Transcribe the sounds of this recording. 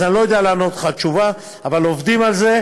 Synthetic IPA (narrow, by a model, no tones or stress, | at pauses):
anlojod̪ealeano̞t̪χat͡ʃuva | avalovd̪imalze̞